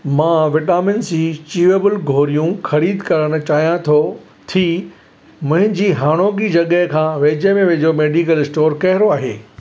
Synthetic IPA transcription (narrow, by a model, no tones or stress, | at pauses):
mãːʋɪʈaːmɪnsit͡ɕiːʋebɪlɡʱoːɾijũxɐɾiːd̪kɐɾəɽ̃ʊ̆t͡ɕaːɦijãt̪ʰo | t̪ʰi | mʊ̃ɦɪ̃ɲd͡ʑiːɦaːɽ̃oːɡid͡ʑɐɠəɦkʰãːʋeːd͡ʑemẽʋeːd͡ʑomeːɖikəlɪsʈoːɾkɐɦɪɾoaːɦḛː